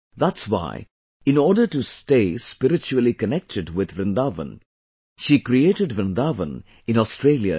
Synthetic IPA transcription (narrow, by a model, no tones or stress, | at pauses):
ðætswa̰ɪ | ɪ̃nɔːɾɖəʈusteːspɪɾɪt͡ʃuəlikənɛk̚tʰɨɖwɪd̪ʋɾɪ̃nd̪avə̰̃n | ʃikɾieːʈəɖʋɾɪ̃nd̪avə̰̃n | ɪ̃nɔstɾeːljə̰